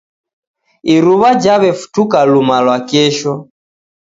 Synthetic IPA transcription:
iɾuβad͡ʒaβɛfu̥tukalumalwakɛʃɔ

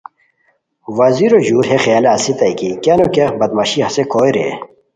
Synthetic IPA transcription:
wɐziɾoʑuːɾɦexjaːlaːsit̪ɐjkikanukexbɐd̪̚mɐɕiɦɐsekʰoːjɾḛ

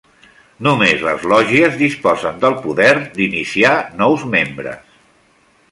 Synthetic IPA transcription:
numezlə̰zlɔʒiəzðispɔzənd̪əlˠpuðɛɾd̪inisianɔwzmembɾə̰s

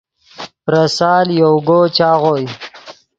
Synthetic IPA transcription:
pɾasaːljowɡot͡ʃaːɣoj

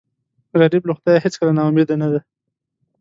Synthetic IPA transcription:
ɣaɾibloxt̪jajɦet͡skəlanɑumed̪anad̪a

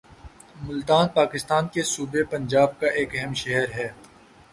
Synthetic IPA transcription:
mʊlt̪aːnpaːkɪst̪aːnkesuːbepɐ̃nd͡ʒaːb̚kaʔeːkɛɦɛmʃɛɦəɾɦɛː

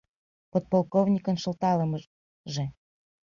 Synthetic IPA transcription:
pot̪̚polˠkovnʲikə̆nʃə̆lt̪ɑləm | ʒe

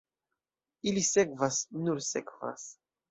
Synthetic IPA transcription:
ilisekvasnuɾsḛkva̰s

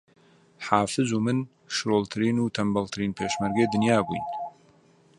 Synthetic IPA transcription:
ħaːfɨzumɨn | ʃɾoːlt̪ʰɨɾiːnuːt̪ʰɐmbɐlt̪ʰɨɾiːnpʰeːʃmɐɾɡejd̪ɨnjaːbṵjn

